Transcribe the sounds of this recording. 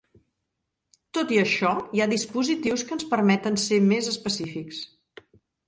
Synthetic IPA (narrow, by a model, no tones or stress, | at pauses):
t̪ot̪iəʃɔiaðispuzit̪iwskənspəɾmɛt̪ənsemezəspəsifiks